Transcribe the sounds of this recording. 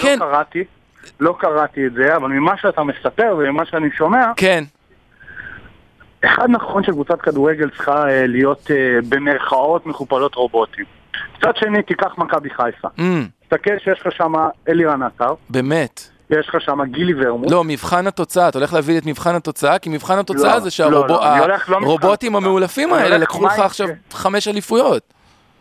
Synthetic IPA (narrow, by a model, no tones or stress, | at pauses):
kenkaʁat̪i | lo̞kaʁatietzeavalmimaʃeatamesape̞ʁvemimaʃeaniʃo̞me̞aken | eχad̪naχo̞nʃekvut͡satkaduʁeɡe̞lt͡sχaelijo̞t̪ebe̞meʁχao̞t̪meχupalo̞t̪ʁo̞bo̞t̪im | kt͡sad̪ʃe̞nit̪ikaχmakabiχajfa̰m̩t̪akelʃejeʃχaʃamaeliʁanataʁbe̞me̞t | jeʃχaʃamaɡiliveʁmulo̞mivχanhato̞t͡saat̪aoleleavilet̬mivχanhato̞t͡saakimivχanhato̞t͡saazeʃealoboaoleχloʁo̞bo̞timameulafimaelelakχuχaːχʃavχameʃalifujo̞t